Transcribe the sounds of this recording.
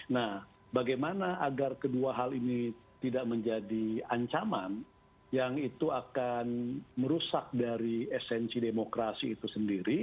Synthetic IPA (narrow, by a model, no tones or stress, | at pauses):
nah | baɡajmanaʔaɡarkəduaɦalinit̪idaʔməɲd͡ʒadiaɲt͡ʃaman | jaŋit̪uakanməɾusak̚daɾiɛsɛnsidemokɾasiːt̪usəndiɾi